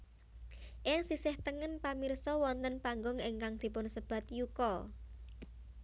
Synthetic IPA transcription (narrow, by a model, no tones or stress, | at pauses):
ʔɪŋsisɪht̪əŋənpamirsɔwɔnt̪ənpaŋɡɔŋɪŋkaŋd̪̥i̤pʊnsəb̥ä̤t̪jukɔ